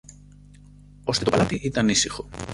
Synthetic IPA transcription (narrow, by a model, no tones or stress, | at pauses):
o̞st̪et̪o̞palat̪iʔit̪ɐnisixo̞